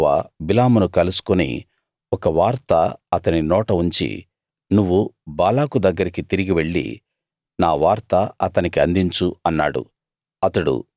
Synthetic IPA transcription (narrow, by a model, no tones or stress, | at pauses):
aːbilaːmunukɐlusu̥kunḭ | ɔkɐʋaːɾt̪ɐɐt̪ɐninɔːʈɐuɲt͡ʃḭ | nuʋːubaːlaːkud̪ɐɡːɐɾikit̪iɾiɡiʋe̞ɭːḭ | naːʋaːɾt̪ɐɐt̪ɐnikiɐnd̪iɲt͡ʃuɐnːa̰ːɽṵ | ɐt̪ɐɽṵ